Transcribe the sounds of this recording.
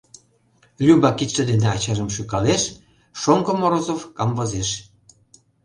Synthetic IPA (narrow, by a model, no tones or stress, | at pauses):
lʲyβɑkit̪ə̆d̪end̪eɑt͡ɕɑʒə̆mʃykɑleʃ | ʃoŋkŏmoɾozovkɑmvɤ̆zeʃ